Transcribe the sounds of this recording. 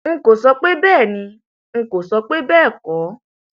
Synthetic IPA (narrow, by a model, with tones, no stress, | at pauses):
ŋ̩˦ko˨sɔ˧k͡pe˦bɛː˦˨nĩ˧ | ŋ̩˧ko˨sɔ˧k͡pe˦bɛː˦˨kɔ˨˦